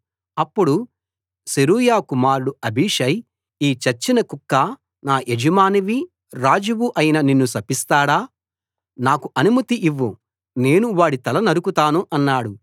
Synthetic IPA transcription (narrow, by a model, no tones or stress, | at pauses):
ɐpːuɽu | seɾuːjaːkumaːɾɽuɐbʱiːʂɐj | iːt͡ʃɐt͡ʃːinɐkukːaː | naːʔed͡ʒɐmaːniʋi | ɾaːd͡ʒuʋuʔɐjinɐninːusɐpist̪aːɽaː | naːkuʔɐnumɐt̪iʔiʋːu | ne̞ːnuʋaːɽit̪ɐlɐnɐɾukut̪aːnuʔɐnːaːɽu